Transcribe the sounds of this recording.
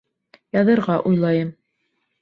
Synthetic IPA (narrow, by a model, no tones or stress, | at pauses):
jɑðɤ̆ɾʁɑʔujlˠɑjɤm